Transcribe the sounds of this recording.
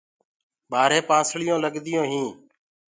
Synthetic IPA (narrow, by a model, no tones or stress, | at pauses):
baːɾeːpãːsɭɪjõːləɠd̪ɪjõːɦĩː